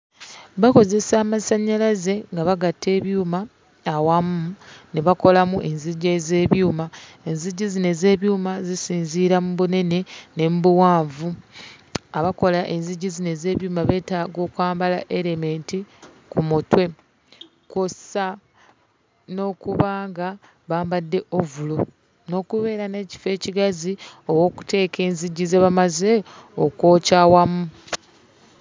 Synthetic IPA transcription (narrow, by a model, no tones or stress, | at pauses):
βako̞ze̞saːmasaɲːalaze̞ŋɡaβaɡatːe̞ːβjuːmaː | wamuneβako̞lamuʔe̞nziɟaze̞ːβjuːma | e̞nziɟːizine̞ze̞ːβjuːmazisiːnziːɾamuβune̞ne̞ne̞mbuwaːɱvu | aβako̞laʔe̞nziɟːizine̞ze̞ːβjuːmaβe̞ːtaːɡo̞ːkwaːmbalaʔe̞ɾeme̞ːnti | kumutwe̞ | kosa | no̞ːkuβaːŋɡa | βaːmbadːe̞ʔovulo | no̞ːkuβe̞ːɾane̞ːci̥fe̞ːciɡazio̞wo̞ːku̥te̞ːkʰe̞ːnziɟːizeβamaze̞okwo̞ːcawamu